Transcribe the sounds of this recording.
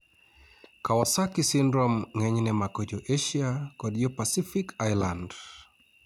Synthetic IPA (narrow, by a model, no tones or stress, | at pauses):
kawasakisindɾɔmŋɛɲnɛmakɔd͡ʒɔʔeʃiakɔdiɔpasifikʰajland